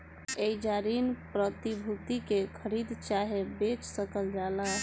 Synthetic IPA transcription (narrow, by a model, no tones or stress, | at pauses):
eid͡ʒaɾinpɾət̪ibʱut̪ikekʰəɾid̪t͡ʃaɦebet͡ʃsəkəld͡ʒala